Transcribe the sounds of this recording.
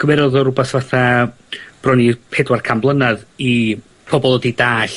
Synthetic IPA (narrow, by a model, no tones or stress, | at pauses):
ɡ̥vɛɾɔðɔɾʊbasvaθa | b̥rɔnipʰedwarkʰamblˠənaði | pʰɔbɔlˠɔdidaːɬ